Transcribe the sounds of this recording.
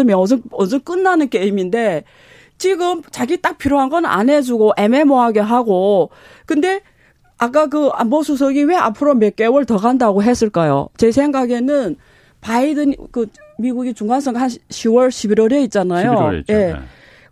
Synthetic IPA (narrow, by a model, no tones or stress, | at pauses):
ɯmjʌʌs̬ʰʌnʌnsʰʌnk͈ɯnːanɯnkeiminde̞ | t͡ɕiɡɯmt͡ɕaɡit͈ak̚pʰiɾjoɦanɡʌnɯna̰nɦe̞d͡ʑuɡoʔe̞me̞moɦaɡe̞ɦaɡo | kɯnde̞ | ak͈ak̬ɯa̰mbʌsʰusʰʌɡiwe̞a̰pʰɯɾomek͈e̞wɯɭtʌɡandaɡoɦe̞s͈ɯɭk͈ajo̰t͡ɕe̞sʰe̞ŋɡaɡe̞nɯn | paidɯnkɯ | miɡuɡit͡ɕuŋɡans͈ʰʌŋɡaɦanɕʰiwʌɭɕʰibiɾwʌɾe̞it̚t͡ɕ͈anajo̰je̞